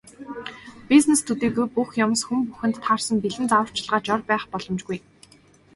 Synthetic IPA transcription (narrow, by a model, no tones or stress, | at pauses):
piznest̪ʰut̪iːɣujpuxjɔmsxumpuxɘ̆nt̪ʰːaːrsə̆mpiɮɘ̆nt͡sawə̆r̥t͡ɕɪ̆ɮʁaːt͡ɕɔrpæːχpɔɮɞ̆mt͡ɕɡuj